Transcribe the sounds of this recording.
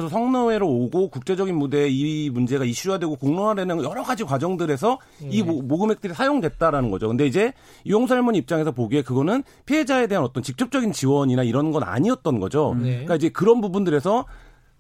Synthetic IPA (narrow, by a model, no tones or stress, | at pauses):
sʰʌsʰʌŋnʌwe̞ɾooɡokuk̚t͡ɕ͈e̞d͡ʑʌɡinmude̞imund͡ʑe̞ɡaiɕ͈ujadwe̞ɡokoŋnonadenɯjʌɾʌɡad͡ʑikwad͡ʑʌŋdɯɾe̞s̬ʰʌ | imoɡɯme̞k̚t͈ɯɾisʰajoŋdwe̞t̚t͈aɾanɯnɡʌd͡ʑokɯnde̞id͡ʑe̞ | ijoŋs̬ʰaɭmuɲip̚t͡ɕ͈aŋe̞s̬ʰʌpoɡekɯɡʌnɯn | pʰied͡ʑae̞de̞ɦanʌt͈ʌnt͡ɕik̚t͡ɕ͈ʌp̚t͡ɕ͈ʌɡint͡ɕiwʌɲinaiɾʌnɡʌna̰ɲiʌt̚t͈ʌnɡʌ̰d͡ʑok͈aid͡ʑe̞kɯɾʌnpubundɯɾe̞sʰʌ